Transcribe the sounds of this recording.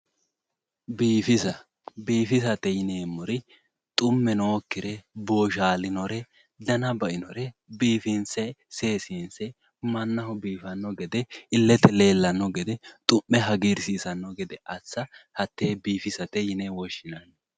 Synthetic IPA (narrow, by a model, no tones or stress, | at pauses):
biːfɪsɐ | biːfɪsɐt̪ɛjɪneːmːɔɾɪ | t̪ʼʊmːɛnoːkːɪɾɛbo̞ːʃaːlɪnɔɾɛ | d̪ɐnɐbɐʔɪnɔɾɛbiːfɪnsɛse̞ːsinsɛ | mɐnːɐhɔbiːfɐnːɔɡɛd̪ɛɪlːɛt̪ɛleːlːɐnːɔɡɛd̪ɛt̪ʼʊmːɛɦɐɡiːɾsiːsɐnːɔɡɛd̪ɛʔɐt͡sːɐhɐt̪ːeːbiːfɪsɐt̪ɛjɪnewɔʃːɪnɐnː